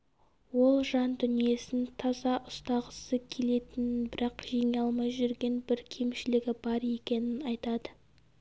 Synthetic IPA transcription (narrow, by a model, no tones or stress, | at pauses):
wo̞lˠʒɑnd̪ʏnije̞sɪnt̪ʰɑzɑʔʊst̪ɑʁəsəkʲʰe̞le̞t̪ɪnɪbɪɾɑqʒeŋɑlˠmɑjʒʏɾɡʲe̞nbɪɾkʲʰe̞mʃɪlɪɡʲɪbɑɾe̞kʲe̞nɪnɑjt̪ɑd̪ə